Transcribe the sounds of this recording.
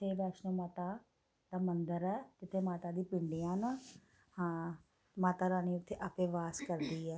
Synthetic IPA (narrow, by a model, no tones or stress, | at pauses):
eːbaːʃnəːmaːt̪aː | d̪aːmənd̪əɾɛːkɪt̪ʰeːmaːt̪aːd̪iːpɪɳɖijãːna | hãː | maːt̪aːɾaːniːʊt̪ʰːeːʔəpẽːʋaːskəɾd̪iːɛː